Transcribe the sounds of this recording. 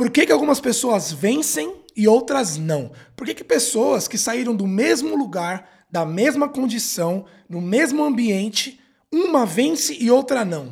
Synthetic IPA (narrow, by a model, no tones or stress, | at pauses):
poɾkekɪawɡũmɐspesoɐzvẽsẽj̃ɪowt̪ɾɐznɐ̃w̃poɾkekɪ̥pesoɐskɪsaiɾɐ̃w̃d̪ʊmezmʊluɡaɾ | d̪ɐmezmɐkõnd͡ʒisɐ̃w̃ | nʊmezmʊɐ̃biẽnt͡ʃɪ | ũmɐvẽsɪʔɪowt̪ɾɐnɐ̃w̃